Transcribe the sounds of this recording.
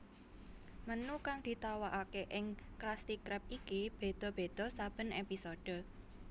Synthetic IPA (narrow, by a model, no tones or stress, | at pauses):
mənukaŋd̪̥i̤t̪awaʔakeʔɪŋkɾast̪ikɾɛp̚ikib̥e̤d̪̥ɔ̤b̥e̤d̪̥ɔ̤sab̥ə̤nepisod̥ə̤